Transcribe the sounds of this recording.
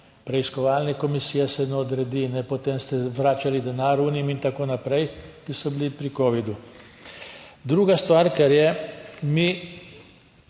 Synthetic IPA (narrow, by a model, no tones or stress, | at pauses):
pɾɛiskɔʋaːlnɛkɔmisiːjɛsɛnɛɔd̪ɾɛd̪iːnɛpɔt̪emst̪ɛʋɾaːt͡ʃalid̪ɛnaːɾuːnimint̪akoːnapɾɛjkisɔbilipɾikoːʋid̪u | d̪ɾuːɡast̪ʋaːɾkɛɾjɛmi